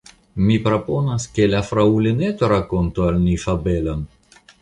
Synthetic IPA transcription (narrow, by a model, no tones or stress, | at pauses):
mipɾo̞po̞naskelafɾaulenet̪oɾako̞ntoalnifabe̞lon